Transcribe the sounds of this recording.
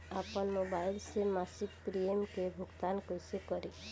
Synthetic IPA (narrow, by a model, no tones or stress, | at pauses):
apənmobajlsemasikpɾiemkebʱʊɡt̪ankojsekɔɾe